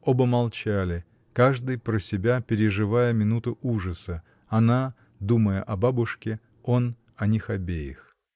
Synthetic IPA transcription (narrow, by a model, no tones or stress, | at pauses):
obəmɐlˠt͡ɕælʲɪ | kaʐd̪ɨjpɾəsʲɪbʲapʲɪɾʲɪʐɨvajəmʲɪnut̪ʊʔuʐəsə | ɐna | d̪uməjə̰ʔɐbabʊʂkʲɪ | on | ɐnʲixɐbʲejɪ̰x